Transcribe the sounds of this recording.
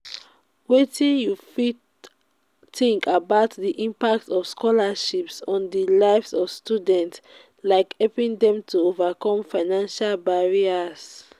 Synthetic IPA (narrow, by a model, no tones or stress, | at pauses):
wetĩnjufid | tĩŋkʰabaʊtðiʔĩmpak̚tɔfskɔlaʃipsɔ̃ndəlaɪvsɔv̥studɛ̃nts | laɪkhɛlpĩŋdɛ̃mtʰuovakɔ̃mfaɪnãnʃalbaɹias